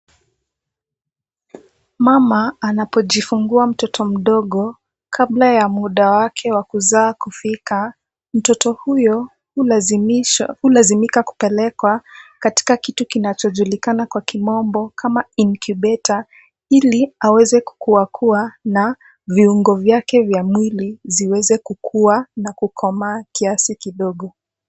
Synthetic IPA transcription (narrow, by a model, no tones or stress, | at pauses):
mamaːnapɔʄifuŋɡuam̩tɔtʰɔm̩ɗɔɠɔ | kʰablajamuɗawakʰɛwakuzaːkufika | m̩tɔtɔhujɔ | hulazimikaku̥pɛlɛkwakati̥kakitukinat͡ʃɔʄulikanakwakimɔmbɔkʰamainkʰuɓɛtʰa | iliawɛzɛku̥kuwakʰuana | viuŋɡɔvjakɛvjamwiliziwɛzɛkukʰuanakukʰɔmakiasikiɗɔɠɔ